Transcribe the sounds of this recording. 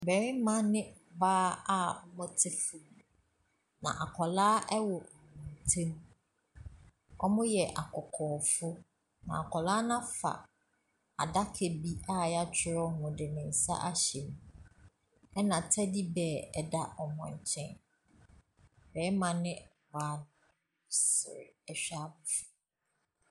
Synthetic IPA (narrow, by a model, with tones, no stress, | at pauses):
bɛ˨ɾɪ˦mã˦nɪ̃˦baː˦a˦ɔ˦mɔ̃˦tʰɪ˦fʊ˨m˨ | nã̰˨ʔa˨kʰɔ˨laː˦ʔɛ˦wɔ˨mũ˨tʰẽ˦m˦ | ɔ˦mʊ̃˦jɛ˨ʔa˨kʰɔ˨kʰɔː˨fʊ˦ | nã̰˨a˨kʰɔ˨laː˦nã˦fa̰˨ | a̰˨da˦kʰe˨bi˦a˦˨ja˦t͡ɕʰɪ˦˨ɾɔ˦hʊ̃˨dɪ˨nɪ̃˨n̩˨sa̰˦ʔa˦ɕɛ˨nũ˨˦ | ɛ˦nã˨tʰɛ˦di˦bɛː˨ɛ˨da˦ʔɔ˨mɔ̃˨ɲ˨t͡ɕʰɛ̃˦n | bɛ˨˦mã˨nɪ̃˦˨wa˨˦l | sɪ̰˨ɾɪ˨ɛ˨ɕᶣa˦bʊ˨fʊ̥˦